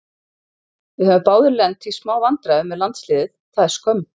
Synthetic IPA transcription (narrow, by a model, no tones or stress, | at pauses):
vɪhœvʏmpaːwðʏɾlɛnt̪ʰismaːwvant̪ɾaʏmːɛðlant̪slɪːðɪθθaðɛ̥skœm